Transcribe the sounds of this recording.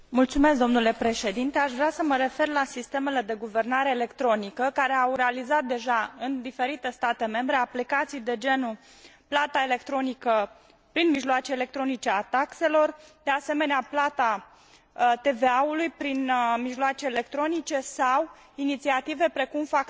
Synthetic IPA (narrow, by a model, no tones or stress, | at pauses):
mult̪sume̞s̬k̚d̪o̞mnule̞pɾe̞ʃe̞d̪int̪e̞aʃvɾeasəməɾe̞fe̞rlasist̪e̞me̞le̞d̪e̞ɡuve̞rnaɾe̞ːle̞kt̪ɾo̞nikəkaɾe̞awɾealizat̪̚d̪e̞ʒaɨnd̪ife̞ɾit̪e̞st̪at̪e̞me̞mbɾe̞aplikat̪sijd̪e̞d͡ʒe̞nu | plat̪aele̞kt̪ɾo̞nikə | pɾinmiʒloat͡ʃe̞ːle̞k̚t̪ɾo̞nit͡ʃeat̪akse̞lo̞rd̪̥e̞ase̞me̞neaplat̪a | t̪e̞ve̞aulujpɾinmiʒloat͡ʃe̞ːle̞k̚t̪ɾo̞nit͡ʃe̞saw | init̪siat̪ive̞pɾe̞kumfak